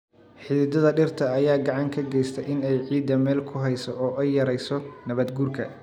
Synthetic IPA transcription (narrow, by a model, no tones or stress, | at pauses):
ħɪðɪd̪ɐðɐɖɪrt̪ʰɐːjaːɡɑʕɑŋkʰɐɡɛjst̪ʰɛjʔɪnɛjʕiːd̪ːɐmɛːlkʰʊɦɛjsɔɔːʔɐjɐɾɛjsɔnɐβɐd̪ɡuːrkʰɐ